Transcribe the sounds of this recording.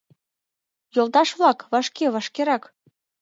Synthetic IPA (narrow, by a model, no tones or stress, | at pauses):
jolˠt̪ɑʃβlɑkβɑʃkeβɑʃkeɾɑk